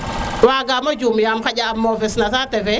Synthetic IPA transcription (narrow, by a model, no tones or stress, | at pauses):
waɡamɔd͡ʒumjamkaɟamːɔvɛsnasatɛvɛ